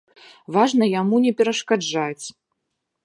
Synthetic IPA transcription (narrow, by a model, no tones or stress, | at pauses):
vaʐnɐjamunʲɛpʲɛɾɐʂkad͡ʐat͡sʲ